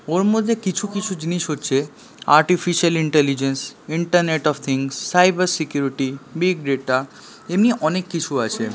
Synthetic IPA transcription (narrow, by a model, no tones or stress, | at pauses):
oɾmod̪ʱːekit͡ɕʰukit͡ɕʰud͡ʑiniʃɦotːɕʰe | aɾʈifiʃaliɳʈelid͡ʑensiɳʈəɾneʈɔbt̪ʰiŋsːajbaɾsikjuɾiʈibiɡɖeʈa | emniʔɔnekːit͡ɕʰuat͡ɕʰe